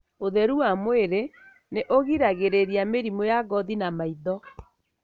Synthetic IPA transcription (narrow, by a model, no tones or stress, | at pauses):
oðɛɾuamweɾe | neʔoɣiɾaɣeɾeɾiameɾimojaɡɔðinamaiðɔ